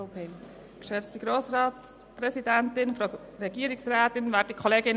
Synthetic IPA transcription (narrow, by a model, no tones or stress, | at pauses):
pe | kʃɛt͡stəɡɾoːsɾɑːt | pɾɛsidɛntɪnfɾo | ɾɛɡiːəɾɪksɾɛːtɪnvæːd̚dəkʰɔleːɡɪn